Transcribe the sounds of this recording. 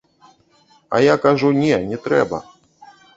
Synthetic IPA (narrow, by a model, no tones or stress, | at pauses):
a̰jakaʐunʲɛnʲɛt̪ɾɛbɐ̰